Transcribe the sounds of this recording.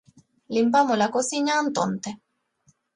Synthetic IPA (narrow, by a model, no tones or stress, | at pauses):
limpamolakosiɲant̪o̰nt̪e